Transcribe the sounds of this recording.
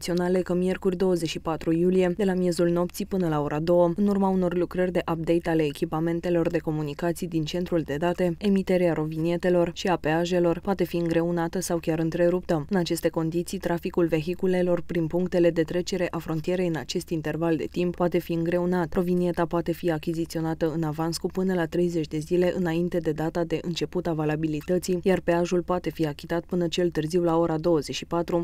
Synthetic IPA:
t̪sio̞nale̞kəmije̞rkurʲd̪o̞wəzeʃipat̪ɾujulije̞d̪e̞lamje̞zulno̞pt̪sipɨnəlao̞ɾʔad̪o̞wəɨnurmauno̞rlukɾərʲd̪e̞ʔap̚d̪e̞jt̪ale̞ːkʲipame̞nt̪e̞lo̞rd̪e̞ko̞munikat̪sijd̪int͡ʃe̞nt̪ɾuld̪e̞d̪at̪e̞emit̪e̞ɾeaɾo̞vinie̞t̪e̞lo̞rʃiapeaʒe̞lo̞rpoat̪e̞fiɨŋɡɾe̞unat̪əsawkʲaɾɨnt̪ɾe̞ɾup̚t̪əɨnat͡ʃe̞st̪e̞ko̞nd̪it̪sijt̪ɾafikulve̞ɦikule̞lo̞rpɾinpuŋkt̪e̞le̞d̪e̞t̪ɾe̞t͡ʃe̞ɾe̞ʔafɾo̞nt̪ije̞ɾe̞jɨnat͡ʃe̞st̪int̪e̞rvald̪e̞̰t̪imppːoat̪e̞fiɨŋɡɾe̞unat̪ɾo̞vinie̞t̪apoat̪e̞fiakʲizit̪sio̞nat̪əɨnavanskupɨnəlat̪ɾe̞jze̞t͡ʃʲd̪e̞zile̞ʔɨnaint̪e̞d̪e̞d̪at̪ad̪e̞ʔɨnt͡ʃe̞put̪avalabilit̪ət̪sijjarpe̞aʒulpoat̪e̞fiakʲi̥t̪at̪̚pɨnət͡ʃe̞lt̪ɨrziwlao̞ɾad̪o̞wəzeʃipat̪ɾu

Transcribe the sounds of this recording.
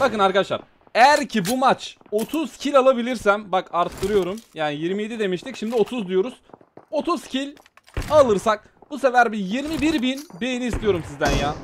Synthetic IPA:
bakɯnaɾkad̪aʃlˠaɾ̥ | ejæɾcʰibumat͡ʃ | o̞t̪ʰuz̥cʰilʲalˠabilʲiɾsæmbakaɾt̪ʰːɯɾɯjo̞ɾumjaːnijiɾmije̞d̪id̪e̞miʃt̪icʃimd̪io̞t̪ʰuzd̪ujo̞ɾuz̥ | o̞t̪ʰuz̥cʰilʲ | alˠɯɾsak̚ | buse̞væɾbijiɾmibiɾbinbe̞jiniist̪ʰijo̞ɾumsizd̪ænjaː

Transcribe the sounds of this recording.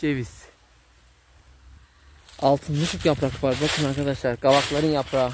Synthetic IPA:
evis | ɑlˠt̪ʰɯnlɯt͡ʃʰokjapʰɾakɯvaɾbakʰɯnaɾkʰad̪aʃlˠaɾɡavaklˠaɾɯnjapʰɾa

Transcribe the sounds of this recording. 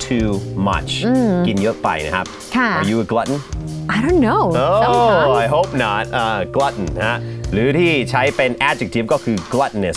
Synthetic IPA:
tʰʉmʌ̰t͡ʃ̩ɡɪɪ̃njəfã̰ɪ̃nha̰p̚ | kʰaə˞jɨəɡlʌʔn̩aɪɾõʊ̃nːoʊoaɪɦoʊp̚nət̚ʌɡ̥lʌʔn̩halʉɾit͡ʃʰaɪpɛ̃næd͡ʒɨk̚tʰivɡɔkʰʉɡlʌʔn̩ɪs

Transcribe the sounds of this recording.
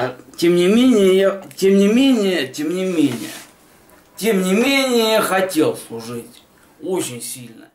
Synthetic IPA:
tʲemnʲɪmʲenʲɪjəjatʲemnʲɪmʲenʲɪjətʲemnʲɪmʲenʲɪ̰jə̰ | tʲemnʲɪmʲenʲɪjəjaxɐtʲe̞lˠslˠʊʐɨtʲ | ot͡ɕɪnʲsʲilʲnə̰

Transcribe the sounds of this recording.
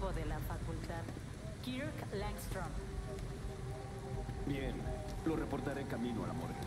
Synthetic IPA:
βoðelafakult̪að | kiɾuklaŋkst̪ɾom | bjen | lorepo̞ɾt̪aɾekamĩnoa̰lamo̰ɾɣe

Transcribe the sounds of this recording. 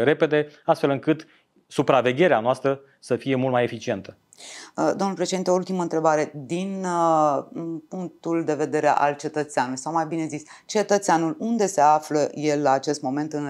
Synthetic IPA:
ɾe̞pe̞d̪e̞ast̪fe̞lɨŋkɨt̪ | supɾave̞ɡʲe̞ɾeanoast̪ɾə | səfije̞mult̪majefit͡ʃie̞nt̪ʰə | d̪o̞mnulpɾeʃed̪int̪eult̪imənt̪ɾe̞baɾe̞d̪in | puŋk̚t̪uld̪e̞ve̞d̪e̞ɾḛʔa̰lt͡ʃe̞t̪ət̪seanulujsawmajbine̞zis | t͡ʃe̞t̪ət̪seanulund̪e̞se̞afləje̞lːaːt͡ʃe̞st̪mo̞me̞nt̪ɨn

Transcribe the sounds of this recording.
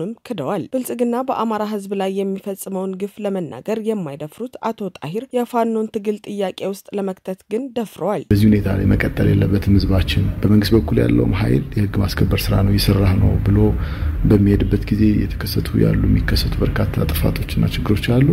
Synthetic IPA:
ɨmkʰɨd̪əwalfɨlsʼɨɡɨnːabəʔamaɾaɦɨzblajːɛmːifəsʼməwnɡɨfləmənːa̰ɡəɾjɛmːajd̪əfɾut̪at̪ʰo̞t̪ʼaɦiɾjɛfanːo̞nt̪ʰɨɡɨlt̪ʼɨjːakʼe̞wʊst̪ʼləmək̚t̪ʰət̪ɡɨnd̪əfɾəwalb̥əzːihune̞t̪ʰala̰jməkʼət̪ʼːə̰ljḛlːəbːət̪mɨzβat͡ʃːɪnb̥əməŋɡɨst̪bəkʰːulja̰lːə̰wumɦa̰jljɛhɨɡːmaskʰəbːəɾsɨɾanəwjɛsərːahnə̰wbɨlobəmːihed̪ɨbːət̪ɡize̞jɛ̰t̪ʰə̥kʰəsːət̪ʰuja̰lːṵɛ̰mːikʰːəsːət̪ʰubəɾkʰat̪ʰːat̪ʼɨfa̰t̪ʰo̞t͡ʃːɨnːa̰t͡ʃɪɡːɨɾo̞t͡ʃːalːu

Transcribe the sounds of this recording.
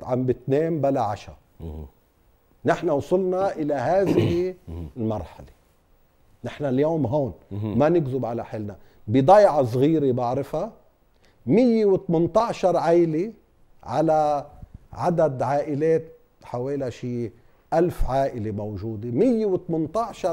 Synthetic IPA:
ʕambɪt̪neːmbalaʕa̰ʃa̰ɾ | nɪħnawsˤʊlnɑʔɪlaɦaːðɪhɪlmɑɾˤħale̥ | nɪħnaljoːmɦoːnmanɪɡzʊbʕalaħɪlna | bɪd̪ˤɑjʕɑs̬ˤɣiːɾebaʕɾɪfa | mɪjːewɪt̪mɪnt̪ˤɑʕʃɑɾˤʕajle | ʕa̰la | ʕad̪ad̪ʕaːʔɪleːt̪̚ | ħaweːlaʃiː | ʔalfʕaːʔɪlemowʒuːd̪emɪjːewɪt̪mɪnt̪ˤɑʕʃɑ

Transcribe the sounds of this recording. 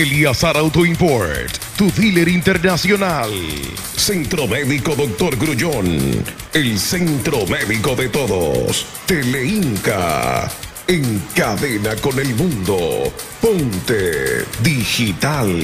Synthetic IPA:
eliasaɾawt̪oimpoɾt̪ːuθileɾint̪eɾnasjonal | sent̪ɾomeðiko̞ðok̚t̪oɾɡɾuʝon | elsent̪ɾomeðiko̞ðet̪oðo̰s | t̪eleiŋka̰ | eŋkaðenako̞nelmũnd̪o̰ | pont̪eðixit̪al

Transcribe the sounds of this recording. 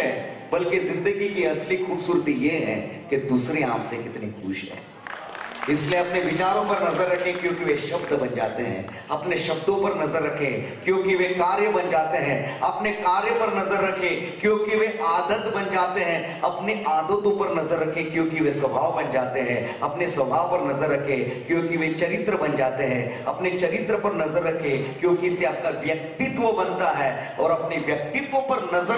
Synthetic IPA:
ɛ̃bɐlkezɪ̃nd̪əɡikiɐslixuːbsuːɾt̪ijeɦɛ̰̃ːked̪uːsɾeã̰ːpsekɪt̪nixṵːʃɦɛ̰̃ː | ɪslieɐpneʋɪt͡ʃaːɾõpɐɾnɐzəɾːɐkʰẽkjõːkiʋeʃɐbd̪bɐnd͡ʒa̰ːt̪eɦɛ̰̃ː | ɐpneʃɐbd̪õpɐɾnɐzəɾːɐkʰẽkjõːkiʋekaːɾjəbɐnd͡ʒaːt̪eɦɛ̃ɐpnekaːɾjəpɐɾnɐzəɾːɐkʰẽ | kjõːkiʋeʔaːd̪ət̪bɐ̃nd͡ʒaːt̪eɦɛ̃ | ɐpneʔaːd̪ət̪õpɐɾnɐzəɾːɐkʰẽkjõːkiʋesʋɐbʱaːʋbɐ̃nd͡ʒaːt̪eɦɛ̰̃ | ɐpneswʋɐbʱaːʋpɐɾnɐzəɾːɐkʰẽkjõːkiʋet͡ʃɐɾɪt̪ɾəbɐ̃nd͡ʒaːt̪eɦɛ̃ | ɐpnet͡ʃɐɾɪt̪ɾəpɐɾnɐzəɾːɐkʰẽːkjõːkiɪseaːp̚kaʋjɐk̚t̪ɪt̪ʋəbɐnt̪aɦɛː | ɔːɾɐpneʋjɐk̚t̪ɪt̪wõpɐɾnɐzə

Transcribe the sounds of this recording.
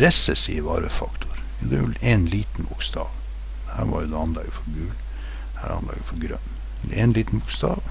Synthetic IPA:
ɾɛsɛsiːʋɑ̰ɾəfɑkt̪ʰʊɾ | jɑd̪ɛɛlenliːt̪n̩bʊkst̪ɑːʋ | hæːɾʋɑ̰ɾjʊd̪ɛɑnlɑːɡəfɔɾɡʉːl | hæːɾɑ̰nd̪ɑ̰ːɡəfɔɾɡɾœnː | ɛnliːt̪n̩bʊkst̪ɑ̰ːʋ

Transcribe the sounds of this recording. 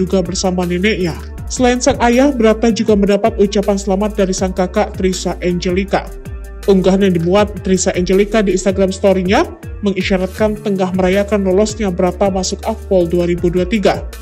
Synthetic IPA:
uɡabərsamanɛnɛʔɲa | səlaɪnsaŋajahbəɾat̪ad͡ʒuɡaməndapat̪ut͡ʃapansəlamat̪̚daɾisaŋkakaʔt̪ɾisaʔɛɲd͡ʒəlika̰ | ʔuŋɡaɦnɲadimuat̪̚ːɾisaʔɛɲd͡ʒɛlikadiːnst̪aɡɾamst̪oɾiɲa | məŋiʃaɾat̪̚kant̪əŋahməɾajakanlɔlɔsɲabəɾat̪amasʊkak̚pɔlduaɾibuduat̪iɡa

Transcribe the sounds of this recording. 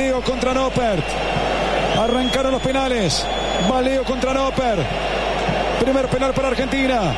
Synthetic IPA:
ioko̞nt̪ɾanopeɾt̪ | araŋkaɾonlo̞spenales | balioko̞nt̪ɾanopeɾ | pɾimeɾope̞nalpaɾaːɾxe̞nt̪ina

